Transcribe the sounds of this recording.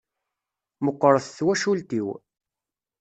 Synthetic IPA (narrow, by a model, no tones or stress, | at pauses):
məqːəɾˤəθθwæʃult̪iw